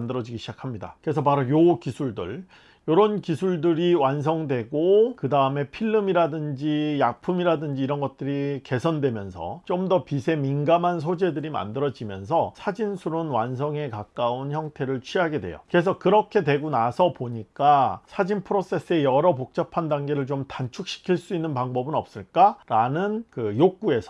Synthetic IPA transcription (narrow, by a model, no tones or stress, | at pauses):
ndɯɾʌd͡ʑiɡiɕʰid͡ʑakʰamɲida̰kɯɾe̞s̬ʰʌpaɾojokisʰuɭdɯ̰ɭ | joɾʌnkisʰuɭdɯɾiwans̬ʰʌŋdwe̞ɡokɯdaɯme̞pʰiɭːɯmiɾadɯnd͡ʑijak̚pʰumiɾadɯnd͡ʑiːɾʌnɡʌt̚t͈ɯɾike̞sʰʌndwemjʌnsʰʌ̰t͡ɕomdʌpisʰe̞minɡamɦans̬ʰod͡ʑe̞dɯɾima̰ndɯɾʌd͡ʑimjʌ̰nsʰʌsʰad͡ʑinsʰuɾonwansʰʌŋe̞kak͈aunçjʌŋtʰe̞ɾɯɭt͡ɕʰɥiɦaɡe̞dwe̞̰jo̰kɯɾe̞s̬ʰʌkɯɾʌkʰe̞dwe̞ɡunasʰʌpoɲik͈asʰad͡ʑinpʰɯɾos͈e̞s͈ɯe̞jʌɾʌpok̚t͡ɕ͈apʰandaŋɡe̞ɾɯɭt͡ɕomtant͡ɕʰuk̚ɕ͈ʰi̥kʰiɭs͈uinːɯnpaŋbʌbɯnʌp̚s͈ɯɭk͈aɾanɯnkɯjok̚k͈ue̞sʰʌ